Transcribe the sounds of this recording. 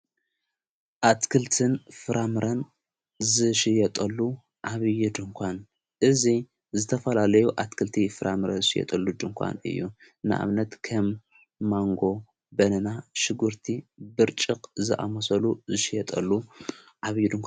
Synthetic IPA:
ʔat̪kʰɨlt̪ʰɨnfɨɾamɨɾɐn | zɨʃɪjɐt̪ʼɐlːu | ʕaβɨjud̪ɨŋkʷʰan | ʔɨzi | zɨt̪ʰɐfɐlalɐjuʔat̪kʰɨlt̪ʰifɨɾamɨɾɐnzɨʃɪjɛ̰t̪ʼɐlːud͡ʒɨŋkʷʰa̰nɨ̰jːu | nɨ̰ʔa̰βnɐt̪kʰɐmː | aŋɡo̞ | bɐnɐnaʃɨɡuɾt̪ʰibɨɾt͡ʃʼɨqʼzɨʔa̰mɐsɐluzɨʃɪjɐt̪ʼɐ̰lːu | ʕaβjud̪ɨŋkʰʷa

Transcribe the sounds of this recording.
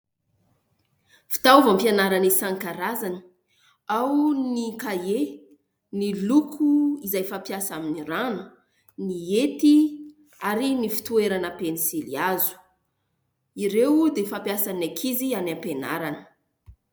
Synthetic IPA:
fi̥t̪auvampijanaɾanisaŋkaɾazani̥ | awnnikae | nilukʰuizajfapjasaminiɾanə | niet̪i | aɾinifi̥t̪ueɾanəpenisiliazu̥ | iɾewd̪efapjasanakʰizianampena̰ɾanə̥

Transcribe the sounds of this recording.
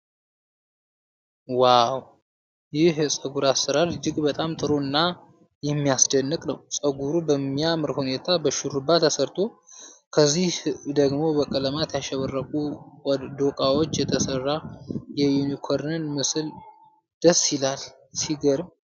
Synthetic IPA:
waw | jɪhjɛsʼəɡuɾasɨɾaɾd͡ʒɪkʼbət̪ʼamt̪ʼɨɾoɨnːa | jɛmːijasd̪ənːɨkʼnəwsʼəɡuɾubəmːijamɨɾhune̞t̪ʰabəʃuɾubːat̪ʰəsəɾt̪ʰo̞kʰəzːihd̪əɡmo̞bəkʼələmat̪jaʃɛβərːəkʼudd̪o̞kʼawo̞t͡ʃːjɛt̪ʰəsərːajɛjunikʰo̞ɾnɨnmɨsɨl | d̪̥əsːɪlal | siɡəɾm

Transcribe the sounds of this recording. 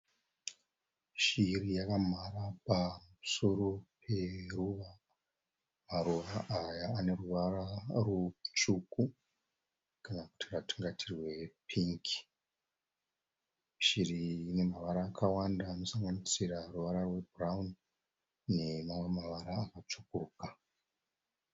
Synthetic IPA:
ʃirijakamarapamusoɾopʰe̞ruʋa | maruʋaʔajaːne̞ruʋararut͡ʃuku | kanaku̥tʰiratu̥ŋɡatʰirwe̞pʰiŋki̥ | ʃirine̞maʋaɾaːkʰawandaːno̞saŋɡanisiraruʋaɾarwe̞braun | ne̞mamwemaʋaɾaːkat͡ʃukurka

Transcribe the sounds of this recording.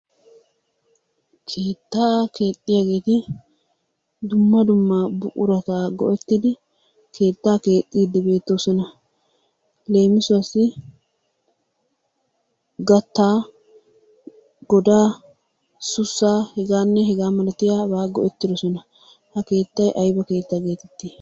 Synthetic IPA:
kʰe̞ːt̪ːaːke̞ːt̪ʼːɪjaɡeːt̪ɪ | d̪ʊmːɐd̪ʊmːɐbʊʔʼʊ̰ɾɐt̪aːɡɔ̰ʔɛt̪ːɪd̪ɪ | kʰe̞ːt̪ːaːke̞ːt̪ʼːiːd̪ːɪbe̞ːt̪ːosɔnɐ | le̞ːmɪsʊɐsɪ | ɡɐt̪ːaː | ɡɔd̪aː | sʊsːaːhɛɡaːnːɛɦɛɡaːmɐlɐt̪ɪjaːbaːɡɔʔɛt̪ːɪd̪ɔsɔnɐ | hɐke̞ːt̪ːɐjʔɐjbɐke̞ːt̪ːaːɡe̞ːt̪ɛt̪ːi

